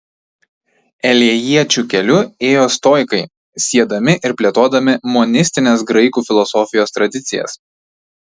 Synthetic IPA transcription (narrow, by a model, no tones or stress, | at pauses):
ɛlʲiɛjiɛt͡ʃʲukʲɛlʲʊeːjoːst̪oːjkɐɪ | sʲiɛd̪ɐmʲɪʔɪɾpʲlʲiɛt̪oːd̪ɐmʲɪmɔnʲɪsʲt̪ʲɪnʲeːsɡɾɐɪkuːfʲɪlˠɔsɔfʲɪjoːst̪ɾɐd̪ʲɪt̪sʲɪjɛ̰s